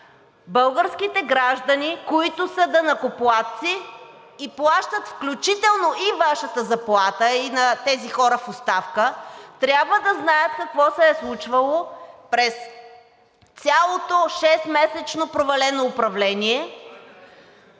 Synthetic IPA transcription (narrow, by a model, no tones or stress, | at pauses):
bɤlˠɡəɾskit̪ɛɡɾaʒd̪ɐnikoit̪ʊsəd̪ɐnɐkoplˠat̪t̪siː | plˠaʃt̪ət̪fklʲut͡ʃit̪ɛlˠnoʔivaʃət̪əzɐplˠat̪əinɐt̪ɛzixɔɾəfʊst̪afkət̪ɾʲjabvəd̪ɐznajət̪kɐkvɔsɛɛslˠut͡ʃvɐlˠopɾɛs | t̪sʲjalˠot̪oʃɛst̪mɛsɛt͡ʃnopɾovɐlɛnoːpɾɐvlɛniɛ